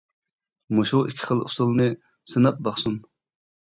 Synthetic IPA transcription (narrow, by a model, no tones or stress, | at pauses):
moʃuʔikʲʰːi̥χəlˠṵsulˠnɨ | sɨnɑp̚bɑχsun